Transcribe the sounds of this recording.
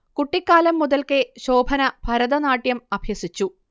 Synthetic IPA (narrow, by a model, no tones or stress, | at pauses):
kuʈːikːaːlɐmːuðɐlkeɕoːbʱɐnɐb̥ʱɐɾɐðɐnaːʈjɐmɐbʱjɐsit͡ɕːu